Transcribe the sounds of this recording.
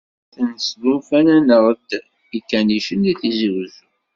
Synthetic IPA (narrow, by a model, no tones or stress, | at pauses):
θənəsd̪ufænænəɾˤəd̪ | ikːæniʃənd̪iθizəɾz